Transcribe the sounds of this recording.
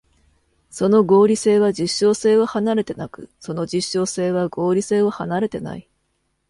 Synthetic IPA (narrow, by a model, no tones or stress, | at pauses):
so̞no̞ɡo̞ːɾʲise̞ːβad͡ʑiɕːo̞ːse̞ːβahanaɾe̞t̪e̞nakɯ̟̥̰so̞no̞d͡ʑiɕːo̞ːse̞ːβaɡo̞ːɾʲise̞ːβohanaɾe̞t̪e̞na̰i